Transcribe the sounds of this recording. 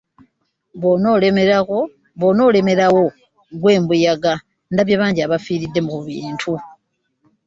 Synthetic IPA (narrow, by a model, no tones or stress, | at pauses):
βonoleao | βono̞ːle̞me̞ɾawo̞ | ɡwe̞ːmbujaɡa | ndaβjaβaːɲɟiaβafiːɾidːe̞muβiːntʰu